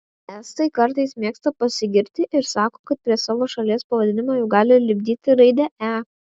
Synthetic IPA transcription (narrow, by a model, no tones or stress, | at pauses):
æːst̪ɐɪkɐɾt̪ɐɪsmʲeːkst̪ɐpɐsʲɪɡʲɪɾʲt̪ʲɪʔɪɾsɑːkoːkɐt̪̚pʲɾʲiɛsɑːʋoːʃɐlʲiɛspɐʋɐd̪ʲɪnʲɪmoːjɛʊɡɑːlʲɪlʲɪbʲd̪ʲiːt̪ʲɪɾɐɪd̪ʲɛæ